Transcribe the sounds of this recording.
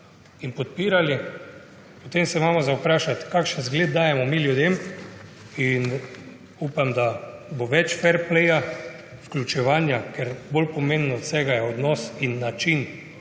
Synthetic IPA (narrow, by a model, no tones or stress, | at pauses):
inpɔt̪̚piːɾali | pot̪emsɛmaːmɔzawpɾaːʃat̪kakʃənzɡled̪̚d̪aːjɛmɔmiljud̪em | in | upamd̪aboʋɛt͡ʃfɛɾplɛja | fklʲut͡ʃɛʋaːnjakɛɾbolpomẽmbnɔɔt̪sɛːɡajɛɔd̪nɔsinːat͡ʃin